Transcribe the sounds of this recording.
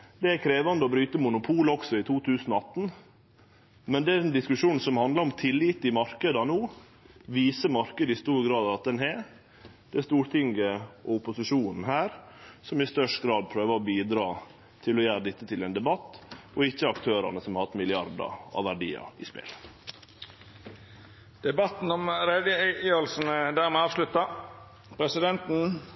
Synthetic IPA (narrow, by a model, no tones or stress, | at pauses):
d̪ɛæɾkʰɾeːʋɑnd̪əɔbɾyːt̪əmʊnʊpʰuːləɔksɔɪt̪ʰuːt̪ʰʉːsən̩ɔɑt̪ːn̩ | mɛnd̪ɛæɛnd̪ɪskʉʂuːn̩sɔmhɑnd̪ləɾɔmt̪ʰɪlːɪt̪ɪmɑɾkəd̪ɑnuː | ʋiːsəmɑɾkəd̪əɪst̪uːɾɡɾɑːd̪ɑʋɑt̪̚d̪ɛnɦɛ | d̪̥ɛæst̪uːɾʈ̪ʰɪŋɡəʔɔʊpːʊsɪʂuːnn̩ɦæːɾsɔmɪst̪œʂʈɡɾɑːd̪̚pʰɾøːʋəɾɔbiːd̪ɾɑː | t̪ʰɪlɔjæːɾəd̪ɪt̪ːət̪ʰɪlɛːnd̪ɛbɑt̪ːɔɪçːəɑkt̪ʰøːɾɑ̰nəsɔmhɑhɑt̪mɪlɪɑɾd̪ə̰ɑ̰ʋæɖḭːɑ̰ɪ̰spḛːl | d̪̥ɛbɑt̪n̩ɔmɾɛd̪əɔlsn̩d̪æːʁmɛːɑːʋʂlʉt̪ːɑ | pʰɾɛsɪd̪ɛnt̪n̩